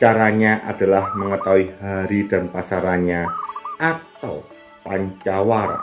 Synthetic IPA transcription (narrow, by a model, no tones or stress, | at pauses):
t͡ʃaɾaɲaʔad̥a̤lahməŋət̪awiɦaɾid̥anpasaɾanɲaʔat̪aw | paɲt͡ʃawar̰